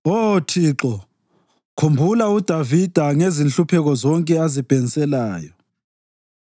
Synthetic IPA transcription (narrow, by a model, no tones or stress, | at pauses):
otʰiːǁɔ | kʰumbʱulaud̥ʱavid̥ʱaŋezinɬupʰɛɣɔzɔŋkʼɛazib̥ʱeŋisɛlaːjɔ